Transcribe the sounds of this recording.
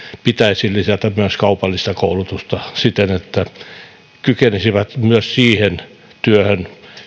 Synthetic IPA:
pit̪æisillisɑt̪æmyøskɑupɑlːist̪ɑkoulut̪ust̪ɑsit̪enet̪ːæ | kykenisiʋæt̪myøssiːhen | t̪yøhøn

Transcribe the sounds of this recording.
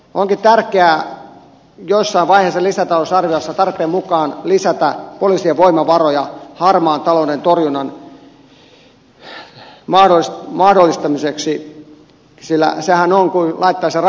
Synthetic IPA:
ʔoŋkitt̪ærkeæ | josːɑiʋʋɑiheːˑsːɑlisæt̪ɑlosɑrʋiɑsːɑt̪ɑrpˑeːmukɑːnlisæt̪æpoliːsieʋoimɑʋɑrojɑhɑrmɑːnt̪ɑloudent̪orjunɑn | mɑhdosmɑhdolːist̪ɑmiseksi | silːæ̰sehænoŋkulʔɑit̪ːɑːser

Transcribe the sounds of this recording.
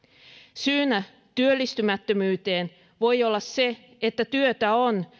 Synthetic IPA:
syːnæ | t̪yølːist̪ymæt̪ːømyːt̪e̞ːn | ʋo̞jo̞lːɑsse̞ | et̪ːæt̪yøt̪æo̞n

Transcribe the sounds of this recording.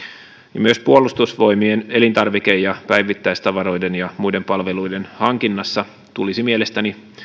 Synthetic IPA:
jɑmyøspuolust̪usʋo̞jmiene̞lint̪ɑrʋike̞jjɑpæjʋit̪ːæjst̪ɑʋɑɾo̞jdenjɑmujde̞mpɑlʋe̞lujde̞nhɑŋk̟inːɑsːɑ | t̪ulisimielest̪æni

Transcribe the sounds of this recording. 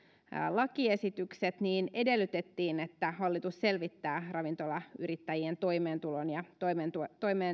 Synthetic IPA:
lɑkie̞sit̪ykset̪niːne̞de̞lːyt̪e̞t̪ːiːnet̪ːæhɑlːit̪usse̞lʋit̪ːæːrɑʋint̪o̞lɑyɾit̪ːæjient̪o̞jmeːnt̪ulonjɑt̪oment̪ut̪oimeː

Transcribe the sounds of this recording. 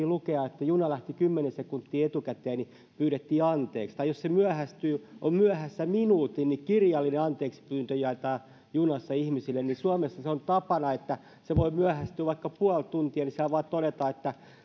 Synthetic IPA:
ilukeɑet̪ːæjunɑlæht̪ikymːenesekunt̪ːiːet̪ukæt̪eːni | pyːɾet̪ːiːɑnt̪ḛːkst̪ɑijossemyæhæst̪yːʔommyæhæsːæminuːt̪innikirjɑlːineɑnt̪eːksi̥pyːnt̪øjɑit̪ɑː | junɑsːɑihmisilːennisuɑmesːɑseont̪ɑpɑnɑet̪ːæ | seʋoimyæhæst̪yːʋɑikːɑpuɑlt̪unt̪iɑnisæʋoɑt̪odet̪ɑet̪ːæ

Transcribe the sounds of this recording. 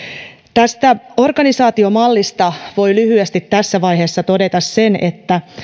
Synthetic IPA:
t̪æst̪æo̞rɡ̥ɑnisɑːt̪io̞mɑlːist̪ɑʋo̞jlyhyest̪it̪tːæsːæʋɑjɦeːsːɑt̪o̞de̞t̪ɑsse̞ne̞̰t̪ːæ

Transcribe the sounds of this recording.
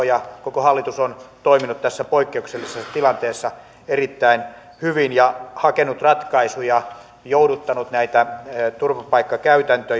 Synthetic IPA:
jɑkokohɑlːit̪usont̪oiminut̪t̪æsːæpoikːeukselːisest̪ilɑnt̪eːsːɑ | erit̪ːæin | hyʋinjɑhɑkenut̪rɑt̪kɑisujɑ | joudut̪ːɑnut̪næit̪æt̪urʋɑpɑikːɑkæyt̪ænt̪ø

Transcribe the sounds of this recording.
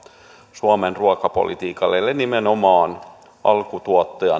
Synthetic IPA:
suɑmenruɑkɑpo̰lḭt̪iːkɑlːelːenimenomɑːn | ʔɑlkut̪uot̪ːejɑ̰

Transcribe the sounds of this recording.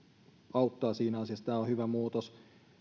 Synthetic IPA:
ɑut̪ːɑːsiːnæɑsiɑst̪æohyʋæmuːt̪os

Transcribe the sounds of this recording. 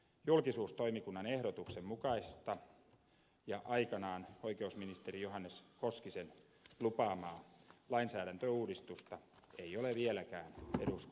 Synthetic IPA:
julkisuːst̪o̞imikunːɑnehɾot̪uksemmukɑist̪ɑ | jɑʔɑikɑnɑːnoikeusminist̪erijoɦɑnːeskoskisen | lupɑːmɑːlɑinsæːɾænt̪øuːdist̪ust̪ɑeioleʋielækæːnedusk

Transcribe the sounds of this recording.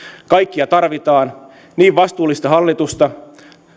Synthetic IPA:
kɑjkːiɑt̪ɑrʋit̪ɑːn | niːʋʋɑst̪uːlːist̪ɑɦɑlːit̪ust̪ɑ

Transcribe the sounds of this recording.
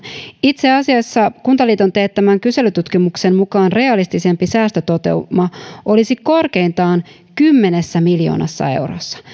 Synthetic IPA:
it̪seɑsiɑsːɑkunt̪ɑliːt̪o̞nt̪eːt̪ːæmæŋkyse̞lyt̪ut̪kimuksemmukɑːnre̞ɑlist̪ise̞mpisæːst̪øt̪o̞t̪e̞̰umːɑʔo̞lisiko̞rke̞jnt̪ɑːn | kymːe̞nesːæmiljo̰ːnɑ̰sːɑ̰e̞̰wɾo̰sːɑ̥

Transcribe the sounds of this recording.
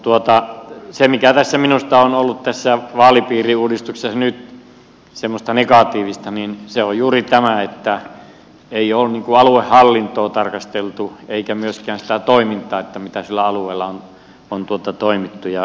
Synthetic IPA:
t̪uot̪ɑsemikæt̪æsːæminust̪ɑonolːutt̪æsːæʋɑːlipiːriuːdist̪uksesnyt̪ | semːost̪ɑnekɑt̪iːʋist̪ɑninseojjuːrit̪æmæet̪ːæ | eiolniːŋkuɑluehhɑlːint̪oːt̪ɑrkɑst̪elt̪ueikæmyøskæːnsĭ̥t̪æt̪oimint̪ˑɑːet̪ːæmit̪æsilːæɑlueˑːlːɑon | ont̪uot̪ɑt̪oimit̪ːujɑ

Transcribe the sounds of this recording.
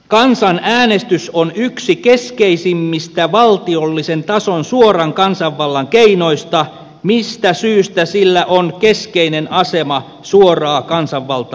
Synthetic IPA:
kɑnsɑnæːnest̪ysonyksikeskeisimːist̪æʋɑlt̪iolːisent̪ɑsonsuorɑŋkɑnsɑʋːɑlːɑŋkeino̞ist̪ɑ | mist̪æsyːst̪æsilːæʔonkeskeinenɑsemɑ | suorɑːkɑnsɑʋːɑlt̪ɑ

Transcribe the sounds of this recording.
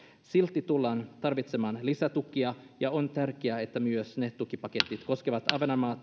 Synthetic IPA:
silt̪ːit̪ulːɑːnt̪ɑrʋit̪semɑːnlisæt̪ukːˑiɑjɑont̪ærk̟eæet̪ːæmyøsnet̪ukipɑket̪ːit̪ko̞skeʋɑt̪ɑʋenɑmɑːt̪

